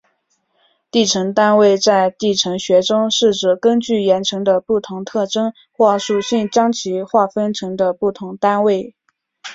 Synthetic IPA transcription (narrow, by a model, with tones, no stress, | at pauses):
t̪i˥˩ʈ͡ʂʰɤ˧˥ŋt̪a˥nwe˥˧ɪt͡sa˥˧ɪt̪i˥˩ʈ͡ʂʰɤ˧˥ŋɕɥɛ˧˥ʈ͡ʂʊ˥ŋʂɻ̩˥˩ʈ͡ʂɻ̩˨˩kə˥nt͡ɕy˥˩jɛ˧˥nʈ͡ʂʰɤ˧˥ŋd̪ə˧pu˥˩t̪ʰʊ˧˥ŋt̪ʰɤ˥˩ʈ͡ʂɤ˥ŋ | xwɔ˥˩ʂu˨˩ɕi˥˩nt͡ɕjɑ˥ŋt͡ɕʰi˧˥xwa˥˩fə˥nʈ͡ʂʰɤ˧˥ŋd̪ə˧pu˥˩t̪ʰʊ˧˥ŋt̪a˥nwe˥˩ɪ